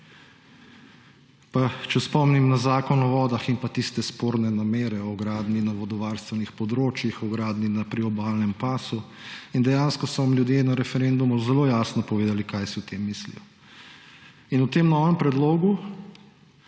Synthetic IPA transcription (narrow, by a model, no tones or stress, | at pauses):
pat͡ʃɛspɔmnimnazaːkɔnɔʋɔːd̪axinpat̪ist̪ɛspoːɾnɛnameːɾɛɔɡɾaːd̪ninaʋɔd̪ɔʋaːɾst̪ʋɛnixpɔd̪ɾoːt͡ʃjixɔɡɾaːd̪ninapɾiɔbaːlnɛmpaːsu | ind̪ɛjanskɔsɔʋamljud̪jeːnaɾɛfɛɾend̪umuzɛloːjaːsnɔpɔʋeːd̪alikajsiwt̪eːmːiːslḭjɔ | inut̪eːmnɔːʋɛmpɾɛd̪loːɡu